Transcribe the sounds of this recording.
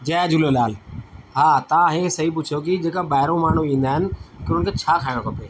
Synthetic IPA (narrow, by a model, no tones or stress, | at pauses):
d͡ʑɐɐd͡ʑʊlolaːlɦaːt̪ãɦesɐɦip̬ʊt͡ʃʰjok̬ɪd͡ʑeːkabaːɦɪɾõmaːɳ̤ũĩːnd̪aːɦɪnɪ̆kɪənɪkʰeːt͡ɕʰaːkʰaːɪɽ̃õkʰɐpeː